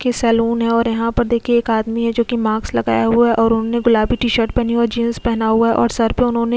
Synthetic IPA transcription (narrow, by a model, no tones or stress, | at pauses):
kesɛːluːnɦɛ̃ɔːɾjɐɦãpɐɾd̪eːkʰeeːkaːd̪miɦɛd͡ʒoːkimãːkslɐɡa̰ːjaɦuaaʔɔːɾʊnɦõneɡʊlaːbiʈiːʃəɾʈpɛɦniɔːɾd͡ʒĩːnspɛɦnaɦuaɦɛʔɔ̰ːɾsɐɾpeʊnɦõːne